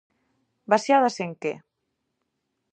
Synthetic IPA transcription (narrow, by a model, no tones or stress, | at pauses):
basjaðaseŋkḛ